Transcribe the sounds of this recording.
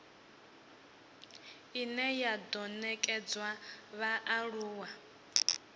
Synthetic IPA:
inɛjad̪ɔnɛkʼɛd͡zwaβaʔaɺuːwa

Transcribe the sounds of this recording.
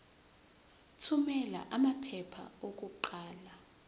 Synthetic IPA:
tʰumɛla̰ʔamapʰɛpʰa̰ok̬uǃaːla

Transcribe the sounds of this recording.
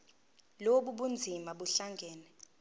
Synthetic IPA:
loɓuɓund͡zʱimaɓuɬaŋɡʱɛːnɛ

